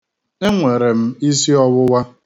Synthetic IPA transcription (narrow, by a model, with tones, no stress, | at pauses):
e˦ŋʷe˨ɾe˨m̩˦i˦si˦ɔ˦wʊ˦wa˦